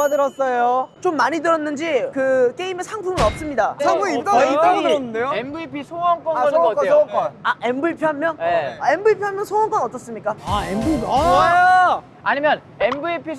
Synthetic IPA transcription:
adɯɾʌs͈ʌjot͡ɕomːaɲidɯɾʌnːɯnd͡ʑikɯk͈e̞imesʰaŋpʰuŋɯɾʌp̚s͈ɯmɲidasʰaŋpʰuit͈ait͈aɡɯɾʌnːɯndejoembɯipʰisʰowʌnk͈ʌnʌkokʌnaʔembɯipʰiɦamjʌne̞mbɯipʰiɦamjʌnsʰowʌnk͈ʰʌnʌt͈ʌs͈ɯmɲik͈aaebpʰ | aɲimjʌn | embɯipʰi

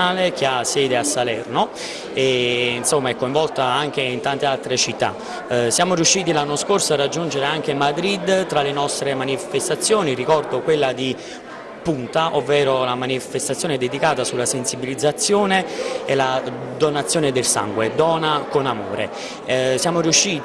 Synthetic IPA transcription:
aːlek̟easːjɛːd̪easːalɛrno | einsomːaɛkːoĩɱvɔlt̪aaŋk̟eint̪ant̪ealt̪ɾet͡ʃit̪ːa̰ | sjaːmoɾiuʃːiːt̪ilanːoskorsoarːad͡ʒːund͡ʒeɾeaŋk̟emad̪ɾid̪ːt̪ɾalenɔst̪ɾemanifest̪at̪sːjoːnirikɔrd̪okwelːad̪i | punt̪aʔovːɛːɾolamanifest̪at̪sːjoːnɛd̪ed̪ikaːt̪asulːasensibilid̪zːat̪sːjoːneelad̪onat̪sːjoːned̪elsa̰ŋɡwed̪ɔːnakonamo̰ːɾḛ | sjaːmoɾiuʃːiː

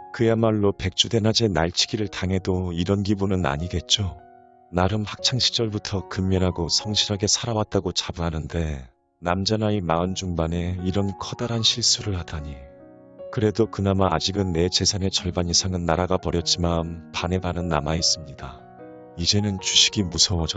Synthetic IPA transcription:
kɯjamaɭːope̞k̚t͡ɕ͈ude̞nɦad͡ʑenaɭt͡ɕʰi̥ɡiɾɯɭtʰaŋɦe̞doiɾʌnɡibunɯna̰ɲiɡe̞t̚t͡ɕ͈o | naɾɯmhak̚t͡ɕʰaŋɕʰi̥t͡ɕ͈ʌɭbutʰʌkɯmːʌnɦaɡosʰʌŋɕʰiɾɦaɡe̞sʰaɾawat̚t͈aɡot͡ɕabuɦanɯnde̞ | namd͡ʑanaimaɯnd͡ʑuŋbane̞iɾʌnkʰʌdaɾanɕʰiɭs͈uɾɯɭhadʰaɲi | kɯɾe̞dokɯnamaːd͡ʑiɡɯnːe̞t͡ɕe̞sʰane̞t͡ɕʌɭbaɲisʰaŋɯnːaɾaɡapʌɾjʌt̚t͡ɕ͈imanpane̞banɯnːa̰mais͈ɯmɲida̰ | id͡ʑe̞nɯnt͡ɕuɕʰi̥ɡimusʰʌwʌd͡ʑʌ

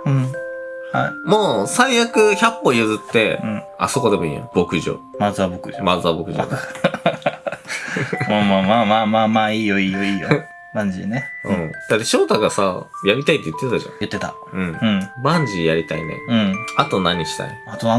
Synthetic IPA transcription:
ɯ̃ha̰imo̞ːsaijakɯ̟çapːo̞jɯzɨt̪ːe̞̰ɯ̃ | a̰so̞ko̞d̪e̞mo̞ḭːjõ̰b̥o̞kɯ̟ʑo̰ːmazabokɯ̟ʑomazɨabo̞kɯ̟ʑo̰ːd̪e | mamamaːmaːmaːmaːiːjoiːjoiːjo | bãɲd͡ʑḭneɯ̰̃d̪̥at̪ːe̞ɕo̞ːt̪aɡasajaɾʲit̪ait̪ːejɯ̟t̪ːet̪t̪aɕã̰jɯ̟t̪ːe̞t̪a̰ | ɯ̟̃ɴɯ̃ɴbãɲd͡ʑijaɾʲit̪ainḛɯ̟̃ɴat̪o̞naɲ̟ːiɕi̥t̪a̰iat̪o

